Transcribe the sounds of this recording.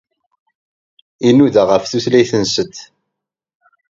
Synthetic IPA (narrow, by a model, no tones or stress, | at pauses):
inuðaʁəfθuθlæjθənsət̪